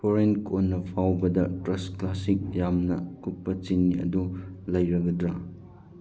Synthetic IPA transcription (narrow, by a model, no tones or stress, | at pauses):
pʰoɾenkʰonːɐpʰawbɐdɐtɾɐsklasik̚jamnɐkut̚pːɐt͡ʃinːiɐ̰dulɐjɾɐɡɐdɾa